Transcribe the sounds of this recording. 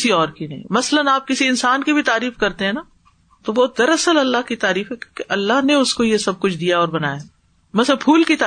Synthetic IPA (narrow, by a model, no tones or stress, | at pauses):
siɔːɾkinɐɦḭ̃mɐslənaːp̚kɪsiɪnsaːnkibʱit̪aːɾiːfkɐɾt̪eɦɛ̃naː | t̪obɔːt̪̚d̪ɐɾɐsəlɐlːaɦkit̪aːɾiːfɦɛkjõːkeʔɐlːaɦneʊskojesɐb̚kʊt͡ʃʰd̪ijaɔːɾbɐna̰ːja | mɐsənpʰuːlkit̪a